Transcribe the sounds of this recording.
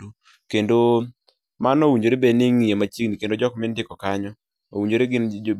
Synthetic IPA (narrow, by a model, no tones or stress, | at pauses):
u | kendo | manowiɲd͡ʒoɾebenɪŋijemat͡ʃiɡnikendod͡ʒɔkmɪndɪkɔkaɲɔ | owiɲd͡ʒoɾeɡɪn